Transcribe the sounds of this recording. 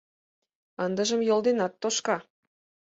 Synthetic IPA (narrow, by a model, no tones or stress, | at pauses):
ənd̪əʒəmjolˠd̪enɑt̪ːoʃkɑ